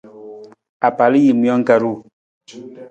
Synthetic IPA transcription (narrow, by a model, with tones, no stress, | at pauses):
a˨pa˨li˦ji˨mu˨˦ɔ˦ŋ̩˦ka˨ɾu˦˨